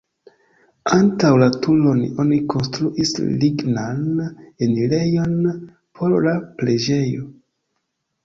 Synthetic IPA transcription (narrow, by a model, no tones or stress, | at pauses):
antawlatulo̞no̞nikʰo̞nstɾuʔisliɡnanenile̞jo̞n | pʰo̞ɾlaple̞d͡ʒe̞jo